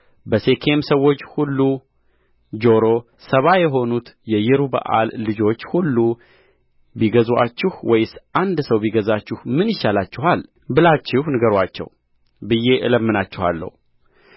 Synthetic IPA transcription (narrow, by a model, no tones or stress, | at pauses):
bəse̞kʰe̞msəwːo̞t͡ʃːhulːu | d͡ʒo̞ɾo̞ | səβajɛɦo̞nut̪jɛjɪɾubə̰ʔa̰lːɨd͡ʒo̞t͡ʃːhulːu | biɡəza̰t͡ʃːɪhwɔjsʔand̪səwbiɡəzat͡ʃːɪhmɨnjɪʃːalat͡ʃːɪɦal | bɨlat͡ʃːɪhnɨɡəɾat͡ʃːɛ̰w | bɨjːe̞ʔɨləmːɨnat͡ʃːɪha̰lːə̰hu